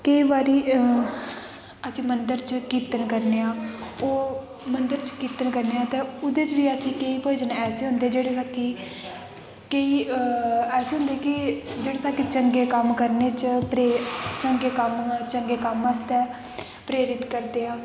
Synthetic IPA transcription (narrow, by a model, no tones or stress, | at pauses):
kəiːbaːɾiː | əsĩːmənd̪əɾt͡ʃkiːt̪ənkəɾneːãːoː | mənd̪əɾt͡ʃkiːt̪ənkəɾneːaːt̪ɛ̃ːʊd̪eːt͡ʃʋiːəsĩːkeiːpəːd͡ʒənɛːseːɦʊ̃nd̪eːd͡ʒeːɽeːsaːkiː | keiː | ɛːseːɦʊ̃nd̪eːkɪd͡ʒeːɽesaːkiːt͡ʃəŋɡeːkəmkəɾneːt͡ʃpɾet͡ʃəŋɡeːkəmt͡ʃəŋɡeːkəməst̪ɛː | pɾeːɾɪt̪kəɾd̪eːaː